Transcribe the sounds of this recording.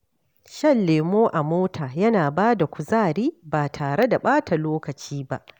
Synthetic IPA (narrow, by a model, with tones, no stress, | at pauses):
ʃɐ˦˨lːeː˨moː˦ʔa˨moː˦tʰaː˨jɐ˦naː˨baː˦da˨kʷʊ˨zaː˦˨ɽiː˦baː˨tʰaː˨ɽe˦da˨ɓaː˦tʰa˨loː˦kɐ˨t͡ʃiː˦ba̰˦ʔ